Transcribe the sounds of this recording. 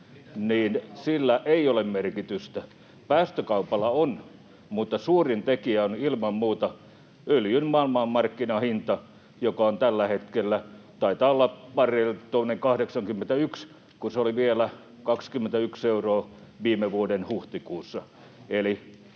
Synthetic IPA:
niːnsilːæʔeiolemmerkit̪yst̪æ | pæːst̪økɑupɑlːˑɑon | mut̪ːɑsuːrint̪ekiæonilmɑmmuːt̪ɑ | øljynmɑːlmɑːmmɑrkːinɑhint̪ɑ | jokɑont̪ælːæhet̪kelːæt̪ɑit̪ɑːolːɑpɑrelt̪onːeŋkɑhdeksɑŋkymːent̪æyks | kuseoliʋielæ | kɑkskymːent̪æykseuroːʋiːmeʋuodenhuht̪ikuːsːɑ | eli

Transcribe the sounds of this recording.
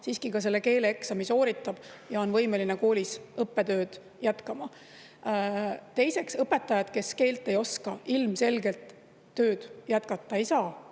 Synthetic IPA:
siːskikɑse̞lːe̞ke̞ːleeksɑmiso̞ːɾit̪ːˑɑb̥jɑo̞nvɤjme̞lineko̞ːlʲisɤpːe̞t̪ø̞ːd̪̥ | jæt̪kɑmɑ | t̪e̞jse̞ksɤpːe̞t̪ˑːɑjɑd̪̥ke̞ske̞ːlt̪ːˑe̞jo̞skɑilmse̞lɡe̞lt̪ː | ø̞ːd̪̥jæt̪kɑt̪ˑːɑeijsɑː

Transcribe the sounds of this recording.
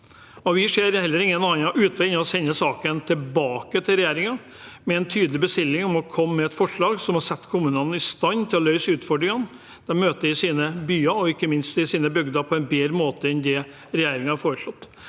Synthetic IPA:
ɔʋɪʂeːɾhɛlːəɾɪŋːənɑːnɑʔʉːt̪ʰʋɛɪnəɔsɛnːəsɑːkənt̪ʰɪlbɑːkət̪ʰɪlɾɛjæːɾɪŋɑ | mɛɛnt̪ʰyːd̪əlɪbəst̪ɪlːɪŋɔmɔkʰɔmːɛɛt̪fɔʂɭɑːɡsɔmhɑɾsɛt̪ːkʰʊmʉːnənɪst̪ɑnːt̪ʰɪlɔlœʏsʉːt̪fɔɖɾɪŋən | d̪̥ɛnmøːt̪əɪsiːnəbyːɑɔɪkːəmɪnst̪ɪsiːnəbʏɡd̪ɑpʰɔɛnbeːɾəmoːt̪əɛnd̪ɛ | ɾɛjæːɾɪŋɑɑfoːɾəʂɭɔt̪ː

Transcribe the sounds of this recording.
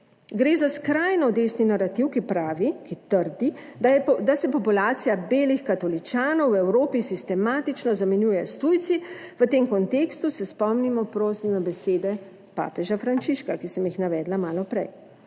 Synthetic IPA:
ɡɾeːzaskɾajnɔd̪eːsninaɾat̪iwkipɾaːʋikit̪əɾd̪i | d̪asɛpɔpulaːt̪sijabeːlixkat̪ɔlit͡ʃaːnɔwɛwɾoːpisist̪ɛmaːt̪it͡ʃnɔzamɛnjuːjɛst̪ujt̪si | ʋət̪eːmkɔnt̪eːkst̪usɛspɔmnimɔpɾoːsimnabɛseːd̪ɛ | pa̰ːpɛʒafɾant͡ʃiʃkakisəmjixnaʋɛːd̪lamaːlɔpɾɛ̰j

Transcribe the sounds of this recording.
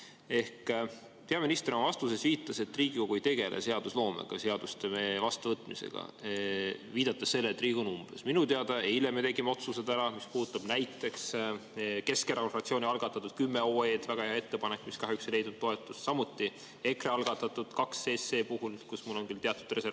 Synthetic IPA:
e̞hk | pe̞ɑminist̪eɾmɑvɑst̪use̞sviːt̪ːˑɑset̪ːriːɡ̥iko̞ɡ̥uejt̪e̞ɡe̞lʔḛse̞ɑd̪̥uslo̞ːmḛɡ̥ɑ̰se̞ɑd̪ust̪emevɑst̪uvɤt̪ːˑmise̞̰ɡ̥ɑ̰ | viːd̪̥ɑt̪ːˑɑsse̞lːeːt̪ːˑriːɡ̥onumb̥esminut̪eɑd̪̥ɑejilemet̪e̞ɡ̥imeo̞t̪suse̞d̪æɾɑmispuːd̪ut̪ːˑɑb̥næjt̪ːˑe̞ks | ke̞skɾɑkonrɑt̪sioːnʲiɑlɡ̥ɑt̪ːˑɑt̪ːˑud̥̪̚kymːe̞o̞ːe̞ːd̪væɡɑheɑe̞t̪ːe̞pɑne̞kːˑmiskɑɦjyksele̞jd̪̥nud̪oe̞t̪ːˑussɑmut̪ːˑi | e̞kreɑlɡ̥ɑt̪ːˑɑt̪ːˑud̪̥kɑkse̞ːsːe̞ːpuhulkusmulːo̞ŋɡ̥ilt̪eɑt̪ːud̪re̞se

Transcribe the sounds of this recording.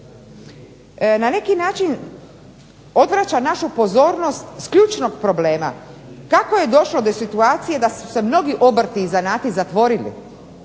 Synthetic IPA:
nane̞kinaːt͡ʃin | o̞d̪ʋɾat͡ɕanaʃupo̞zoːɾno̞st̪skʎuːt͡ʃno̞ɡpɾo̞ble̞ːma̰kako̞je̞d̪o̞ʃlo̞d̪o̞sit̪uaːt̪sije̞d̪asu̥se̞mno̞ɡiʔobr̩t̪iːzanaːt̪izat̪ʋo̞ɾilḭ

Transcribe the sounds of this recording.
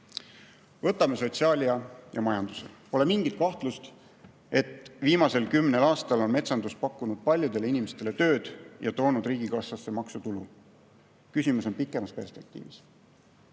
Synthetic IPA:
vɤ̞t̪ːˑɑme̞so̞t̪siɑːlʲiɑjɑmɑjɑnd̪̥usḛpo̞le̞miŋɡ̥it̪̚kɑht̪lust̪ | e̞t̪viːmɑse̞lkymne̞lɑːst̪ɑlo̞nme̞t̪sɑnd̪uspɑkːˑunud̪̥̚pɑlʲjud̪̥e̞linime̞st̪e̞le̞t̪ø̞ːd̪̥jɑt̪o̞ːnud̪̥riːɡ̥ikɑsɑsːe̞mɑksut̪ulu | kysʲimuso̞npikːˑemɑspe̞rspe̞k̚t̪ḭːvis

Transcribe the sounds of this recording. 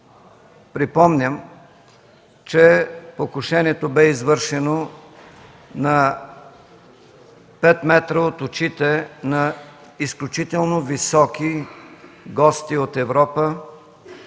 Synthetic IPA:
pɾipɔmnʲəm | t͡ʃɛpokʊʃɛniɛt̪obɛizvɤɾʃɛno | nɐ | pɛt̪mɛt̪ɾəot̪ʊt͡ʃit̪ɛnɐ | isklʲʊt͡ʃit̪ɛlˠnovisɔki | ɡɔst̪iot̪ɛvɾɔpə

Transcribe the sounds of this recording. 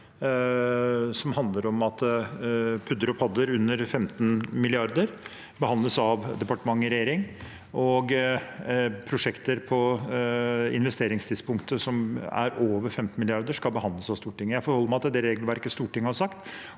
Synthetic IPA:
sɔmhɑnd̪ləɾɔmɑt̪ | pʰʉd̪əɾɔpʰɑd̪əɾʉnːəɾfɛmt̪nmɪlɪɑɾd̪əɾ | bəhɑnd̪ləsɑʋd̪ɛpɑʈəmɑŋːəɾɛjeːɾɪŋ | ɔɡ | pʰɾʊʂɛkt̪əɾpʰɔ | ɪ̰nʋɛst̪eːɾɪŋst̪ʰid̪spʰʊŋkt̪əsɔmæ̰ɾoːʋəɾfɛmt̪n̩mɪlɪɑɾd̪əʂkɑlˠbəhɑnd̪ləsɑʋst̪uːʈɪŋːəjæɪfɔɾhɔlːəmæɪɑt̪ːd̪ɛɾeːɡlʋæɾkəst̪uːʈɪŋːəhɑɾʂɑkt̪

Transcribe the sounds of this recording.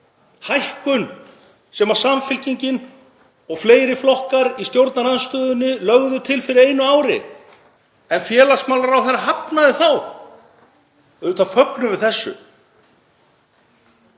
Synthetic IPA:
hajhkʏn | sɛmaɾ̥samfɪlciɲcɪn | ɔɣfleːjɾɪflɔhkaɾist̪jowɾt̪naɾanst̪œːðʏnːʏlœɣðʏt̪ʰɪlfɪɾɪɾeːjnʏaːwɾɪ̰ | ɛnfjɛːlasmaːwlaɾawθɛraɦapnaðɪθaw | ɛðʏt̪ʰafœknʏvɪðθɛsːʏ̰

